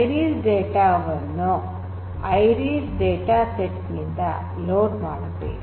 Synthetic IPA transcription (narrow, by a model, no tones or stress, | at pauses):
ɾiːsɖeːʈaːʋɐnːu | ɐjɾiːsɖeːʈaːseʈːnind̪ɐ̰ | loːʈmaːɽuʈ̪ːḛ